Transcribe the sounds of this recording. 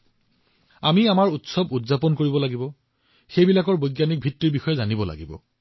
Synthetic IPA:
amiamaɹutsɔbudzapɔnkoɹibɔlaɡibɔ | xejbilakɔɹbojɡjanik̚bʱitːɹiɹbixɔjɛzanibɔla̰ɡibɔ̰

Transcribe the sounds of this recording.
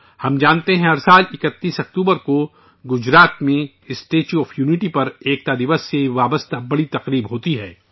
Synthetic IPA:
hɐmd͡ʒaːnt̪eɦɛ̃ɐɾsaːlɪkət̪ːiːsɐk̚t̪uːbəɾko | ɡʊd͡ʒɾaːt̪mẽ | ɪsʈeːt͡ʃuɔːfʰjuːnɪʈipɐɾeːk̚t̪ad̪ɪʋəsːeʋaːbəst̪abɐɽit̪ɐqɾiːbɦoːt̪iɦɛː

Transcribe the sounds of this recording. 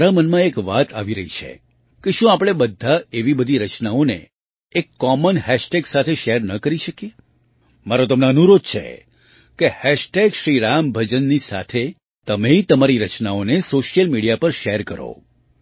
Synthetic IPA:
ɾamənmãekʋat̪ʰaʋiɾəɦit͡ʃʰḛ | keʃũapɽ̃ebəd̪ʱːaeʋibəd̪ʱiɾət͡ʃnaonḛ | ekːɔmənhɛʃʈeɡsat̪ʰeʃeɾnəkəɾiʃəkije | maɾot̪̬əmneənuɾod̪̚t͡ʃʰḛ | kehɛʃʈeɡʃɾiɾambʱəd͡ʒənːisa̰t̪ʰe | t̪əmeit̪əmaɾiɾət͡ʃnaonesoʃijəlmiɽijapəɾʃeɾkəɾo̰

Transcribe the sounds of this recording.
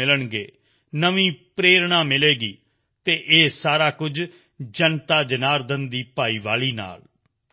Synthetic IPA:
ɪləɳɡeː | nəʋĩːpɾeːɾɳãːmɪleːɡiː | t̪eːʔeːsaːɾaːkʊd͡ʒ | d͡ʒənt̪aːd͡ʒənaːɾd̪ənd̪iːpaːiːʋaːliːna̰ːl

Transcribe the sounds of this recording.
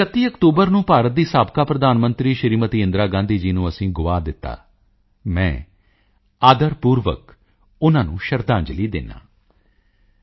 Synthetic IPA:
ət̪ːiːəkt̪uːbəɾnũːpaːɾət̪̚d̪iːsaːbkaːpɾəd̪aːnmənt̪ɾiːʃəɾiːmət̪iːɪ̃nd̪ɾaːɡãːnd̪iːd͡ʒiːnũːəsĩːɡʊʋaːd̪ɪt̪ːa̰ː | mɛ̃ː | aːd̪əɾpuːɾʋə̰k | ʊnãːnṵ̃ːʃəɾd̪ãːɲd͡ʒliːd̪ɪ̰nːa̰ː

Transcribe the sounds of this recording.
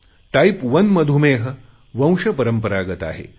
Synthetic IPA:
ʈaipʋənməd̪ʱumeːɦə | ʋə̃w̃ʂəpəɾəmpəɾaɡət̪a̰ɦḛ

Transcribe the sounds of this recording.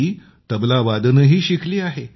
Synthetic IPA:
iː | t̪əblaʋad̪nəɦiːɕikliːaɦe

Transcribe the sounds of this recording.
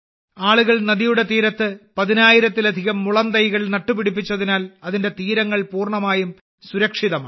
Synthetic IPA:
aːɭuɣɐɭnɐðijuɽe̞t̪iːɾɐt̪ːɨpɐðinaːjiɾɐt̪ːilɐd̪ʱiɣɐmːuɭɐnd̪ɐjɣɐɭnɐʈːupiɽipːit͡ɕːɐðinaːlɐðinde̞t̪iːɾɐŋːɐɭpuːrɳɐmaːjum | suɾɐkʂiðɐmaː

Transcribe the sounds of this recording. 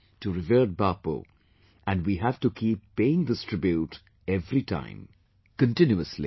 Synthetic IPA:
tuɾɪvəːd̚baːpo̰ | ʔæ̃nɖwiɦæv̥ʈukʰiːpːeɪɪ̃ŋd̪əstʰɾɪbjuʈ | ɛvɾiʈʰã̰ɪ̃m | kə̃nʈɪ̃njuəslḭ

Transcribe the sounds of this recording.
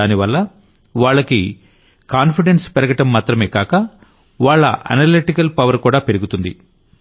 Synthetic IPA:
aːniʋɐlːɐ | ʋaːɭːɐki | kaːnpiɖenspɐɾɐɡɐʈɐmːaːt̪ɾɐmeːkaːkɐ | ʋaːɭːɐ̰ʔɐ̰nɐɾliʈikɐlpɐʋɐɾkuːɽaːpe̞ɾuɡut̪und̪ḭ

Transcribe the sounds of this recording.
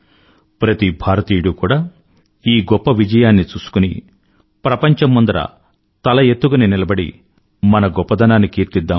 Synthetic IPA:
pɾɐt̪ibʱaːɾɐt̪iːjuɽukuːɽaː | iːɡɔpːɐʋid͡ʒɐjaːnːit͡ʃuːsu̥kunḭ | pɾɐpɐɲt͡ʃɐmːɐnd̪ɐɾɐ̰ | t̪ɐlɐjet̪ːuɡɐninilɐbɐɽḭ | mɐnɐɡɔpːɐd̪ʱɐnaːnikiːɾt̪id̪ːaː

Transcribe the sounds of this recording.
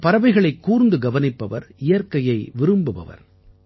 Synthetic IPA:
pɐɾɐʋɐɪɣɐɭɐɪkːuːɾnd̪ɯɡɐʋɐnɪpːɐʋɐɾɪjɐɾkɐjɐɪʋɪɾɯmbɯʋɐ̰ʋɐ̰ɾ

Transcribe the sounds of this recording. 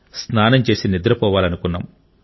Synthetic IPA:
snaːnɐmt͡ʃe̞ːsinid̪ɾɐpɔːʋaːlɐnukunːa̰ːmu

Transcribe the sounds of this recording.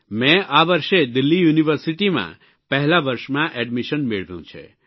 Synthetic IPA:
mɛ̃aʋəɾʃed̪ilːijuniʋəɾsiʈimã̰ | pəɦlaʋəɾʃmãʔɛɖmiʃənmeɭʋjṵ̃t͡ʃʰḛ

